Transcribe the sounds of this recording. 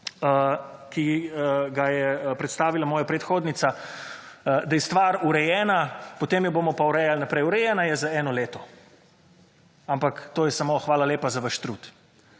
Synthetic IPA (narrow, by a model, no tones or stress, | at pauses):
əkiɡajɛpɾɛt̪st̪aːʋilamɔːjapɾɛt̪xoːd̪nit̪sa | d̪ajɛst̪ʋaɾuɾɛjɛːnapɔt̪eːmjɔboːmɔpauɾɛjalnapɾɛjuɾɛjɛnajɛzaɛːnɔleːt̪ɔ | ampakt̪oːjɛsamoxʋaːlaleːpazaʋəʃt̪ɾut̪